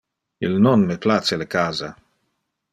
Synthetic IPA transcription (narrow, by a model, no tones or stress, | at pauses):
ilnonmeplat͡selekaːza